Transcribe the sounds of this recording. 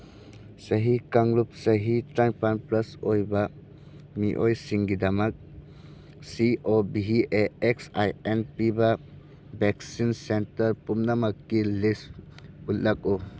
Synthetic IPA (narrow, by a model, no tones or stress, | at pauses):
sɐɦikaŋlup̚sɐɦitɾajpanplɐsojbɐ | miʔojsiŋɡidɐmɐk̚ | siobiɦieeksajenpibɐ | bek̚sinsentɐɾpumnamɐkːilistut̚lak̚u